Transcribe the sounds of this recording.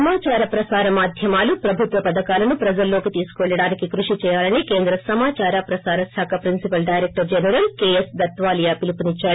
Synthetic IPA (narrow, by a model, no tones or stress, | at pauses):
ɐmaːt͡ʃaːɾɐpɾɐsaːɾɐmaːd̪ʱjɐmaːlupɾɐbʱut̪ʋɐpɐd̪ɐkaːlɐnupɾɐd͡ʒɐlːo̞ːkit̪iːsu̥kuʋɐɭːɐɽaːnikikɾuʂit͡ʃɛːjaːlɐnike̞ːnd̪ɾɐsɐmaːt͡ʃaːɾapɾɐsaːɾɐsaːkʰɐpɾinsipɐlɖɐjɾek̚ʈɐɾd͡ʒɛnɐɾɐlkeːesd̪ɐt̪ʋaːlɐjaːpilipunit͡ʃːaːɽu